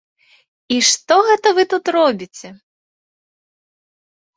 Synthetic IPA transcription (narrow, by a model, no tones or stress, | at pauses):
iʂt̪ɔɣɛt̪ɐvɨt̪ut̪rɔbʲit͡sʲɛ